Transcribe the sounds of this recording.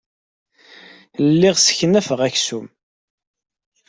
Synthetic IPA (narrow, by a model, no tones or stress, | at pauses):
llːiʁsə̥çnæfəʁæçsum